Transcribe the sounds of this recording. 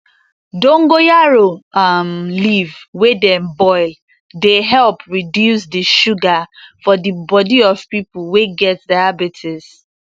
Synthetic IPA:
dõŋɡojaɹoamlivwedɛ̃mbɔɪl | deɦɛlpɹidjusdiʃuɡafɔdibɔdiɔv̥pipʊl̩weɡɛt̚daabitʰɪs

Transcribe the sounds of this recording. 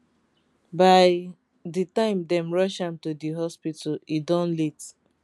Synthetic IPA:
baɪ | ditãɪ̃mdɛ̃mɹɔʃãmtudiɦɔspitʰalidɔ̃nlit

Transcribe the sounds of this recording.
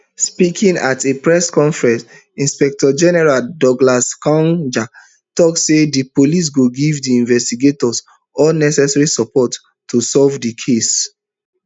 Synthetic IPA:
spikʰĩŋatepɹɛskɔ̃ɱfɹɛ̃ns | ĩnspɛk̚tɔd͡ʒɛnɛɹaldɔɡlaskɔ̃nd͡ʒak | tɔksːedipolis̬ɡuɡivdiĩnvɛstiɡetɔs | ɔlnɛsɛsɹisɔpɔtː | usɔlvdikʰes

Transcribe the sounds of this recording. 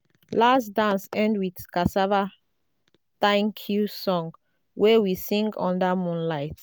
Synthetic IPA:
lasdãnsɛ̃ndwidkasava | tãɪ̃nkʰusɔ̃ŋ | wɛwisĩŋɡɔ̃ndamũnlaɪt

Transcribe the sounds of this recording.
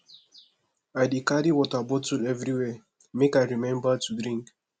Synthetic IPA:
ajdikaɾiwɔtabɔtudɛvɾiwɛ | mekaɪɹimɛ̃mbatʰudɾĩŋk

